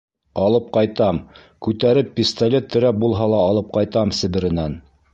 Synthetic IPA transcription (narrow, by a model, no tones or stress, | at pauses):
ɑlˠɤp̚qɑjt̪ɑm | kʉt̪æɾɘpːʲist̪ɐlʲet̪ːɵ̆ɾæp̚bulˠɦɑlˠɑːlˠɤp̚qɑjt̪ɑmsɘ̆βɘ̆ɾɘ̆næn